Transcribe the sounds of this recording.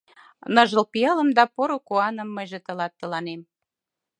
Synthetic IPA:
nəʒəlpijɑləmd̪ɑpoɾokoɑnəmːəjʒet̪ə̆lɑt̪ːəlɑnem

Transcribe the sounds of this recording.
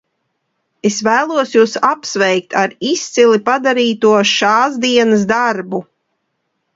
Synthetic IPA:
esvæːlˠuɔsjuːsapsvɛjk̚t̪ʰaɾist̪silipad̪aɾiːt̪uɔʃaːzd̪iɛnəs̬d̪aɾbu

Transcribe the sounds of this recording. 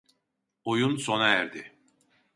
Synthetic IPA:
ojunso̞naæɾd̪ɪ

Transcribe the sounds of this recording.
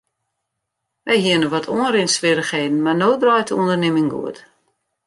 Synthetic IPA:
ʋɛjɦiənəʋɔtʰoənrɪnsʋɪɾəxheːdn̩marnoːdrɔjtʰəundərnɪmɪŋɡṵət

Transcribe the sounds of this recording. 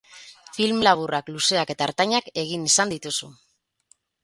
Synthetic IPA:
filmlaβ̞urakluse̞ake̞t̪aeɾt̪aɲake̞ɣ̞inisand̪it̪usu

